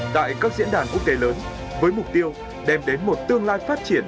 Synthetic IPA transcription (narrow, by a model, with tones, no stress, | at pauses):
t̪a̰ː˧˨jkaː˦˥k̚zḭ˧˥ənɗaː˧˩nku˦˥ək̚t̪e˨˦ləː˨˦n | vəː˨˦jmʊ˨˩k͡p̚t̪i˧əw | ɗɛ˧mɗe˨˦nmo˨˩t̚t̪ɨ˧əŋlaː˧jfaː˦˥t̚t͡ɕi˧˩ən